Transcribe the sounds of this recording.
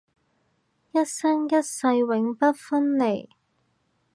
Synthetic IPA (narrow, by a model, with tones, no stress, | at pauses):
jɐ˥t̚sɐ˥ŋjɐ˥t̚sɐ˧jwɪ˨˥ŋpɐ˥t̚fɐ˥nle˨˩j